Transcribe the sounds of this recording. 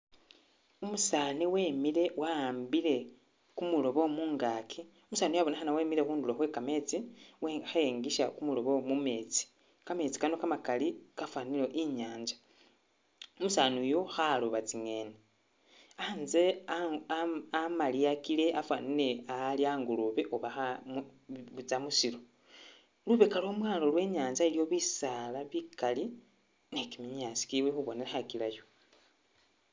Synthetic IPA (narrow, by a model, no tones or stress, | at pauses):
umusaːniweːmile̞waaːmbiɾe̞ | kumulo̞βo̞muːŋɡaːkʰi | umusaːnijaβonexanaweːmiɾexuːnduloxwe̞kame̞t͡siwxaeːŋɡiʃakumulo̞βo̞mume̞ːt͡si̥ | kame̞ːt͡si̥kanokamakalikafwaːnilo̞ʔiɲaːɲd͡ʒḁ | umusaːnujoxaloβat͡siŋe̞ːne | anze̞ | amaliakile̞ʔafwanile̞aliaːŋɡuluβe̞ʔoβaxamβut͡samusiɾo | luβe̞kalo̞ːmwaːlo̞lwe̞ːɲaːɲd͡ʒailijo̞βisalaβikali | nekimiɲaːsi̥kiwexuβo̞nelaxakilajo